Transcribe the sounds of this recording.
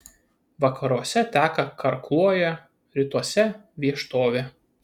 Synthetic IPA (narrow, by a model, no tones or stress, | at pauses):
ʋɐkɐɾuɔsʲɛt̪ʲæːkɐkʰɐɾklˠuɔjɛ | ɾʲɪt̪uɔsʲɛʋʲiɛʃt̪oːʋʲɛ